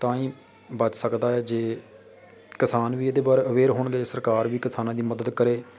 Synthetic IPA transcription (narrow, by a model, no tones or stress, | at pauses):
t̪ãːĩː | bət͡ʃsəkd̪aːɛːd͡ʒeː | kɪsaːnʋiːeːd̪eːbaːɾeːəʋeːɾɦoːɳɡeːsəɾkaːɾʋiːkɪsaːnãːd̪iːməd̪əd̪kəɾeː